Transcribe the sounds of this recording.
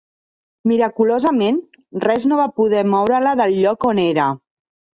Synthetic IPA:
miɾəkulozəmen | rɛznoβ̞apuð̞ɛmɔwɾələðəlʎɔkoneɾə

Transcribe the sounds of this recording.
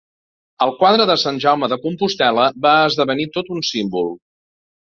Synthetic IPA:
əlˠkwaðɾəðəsanʲʒawməðəkumpust̪ɛləβaəzðəβənit̪ot̪unsimbulˠ

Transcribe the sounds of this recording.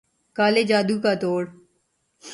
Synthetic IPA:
kaːled͡ʒaːd̪uːkat̪oːɽ

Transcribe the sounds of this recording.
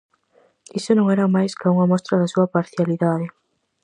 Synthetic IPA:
isʊnõŋɛɾɐmajskauŋɐmɔst̪ɾɐðɐsuɐpaɾθjaliðaðɪ

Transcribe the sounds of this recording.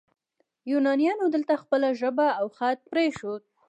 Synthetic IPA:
junɑnijɑnod̪əlt̪axpəlaʒəbaːwxat̪̚pɾeʃod̪̚

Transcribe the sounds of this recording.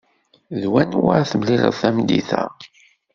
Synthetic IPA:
ðwænwa̰θmliɾə̰θæmd̪iθæ̰

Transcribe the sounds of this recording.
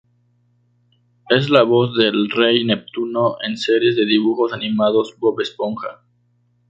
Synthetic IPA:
es̬laβozðelrejnep̚t̪unoʔenseɾjezðeðiβuxo̞sanĩmaðo̞sboβespoŋxa̰

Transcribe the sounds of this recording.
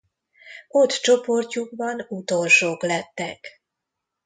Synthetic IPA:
o̞t̪t͡ʃo̞po̞rcuɡ̚bɒnut̪o̞lʃoːklɛt̪ːɛk

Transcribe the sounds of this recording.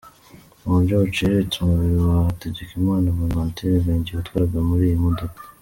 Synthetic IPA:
uβuɾɟoβut͡ʃeɾetumuβiɾiwateɟekimaːnaβamaːntʰiɾeβeːɲɟiβatwaːɾaɡamuɾiːjimodokḁ

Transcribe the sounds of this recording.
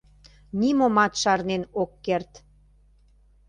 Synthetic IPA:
nimomɑt̪ʃɑrnenokːert̪

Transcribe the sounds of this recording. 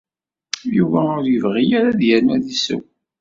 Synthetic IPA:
juvæʊɾjəvʁijaɾaðjænæðisə̰w

